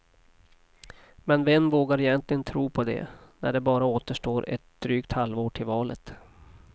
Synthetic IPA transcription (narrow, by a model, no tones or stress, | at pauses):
mɛnvɛmːvoːɡaɾɪjɛnt̪lɪɡənt̪ʰɾuːpʰɔd̪ɛ̰næ̰ɖɛbɑːɾaoːt̪əʂʈoːɾɛ̰t̪̚d̪̥ɾyːkt̪halvoːɖ̚ʈʰɪlvɑːlə̰t̪